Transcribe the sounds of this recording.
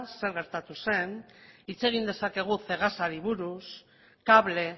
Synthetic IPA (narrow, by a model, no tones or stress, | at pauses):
nse̞ɾɣ̞e̞ɾt̪at̪use̞nit͡se̞ɣ̞ind̪e̞sake̞ɣ̞uθe̞ɣ̞asaɾiβ̞uɾus | kaβle̞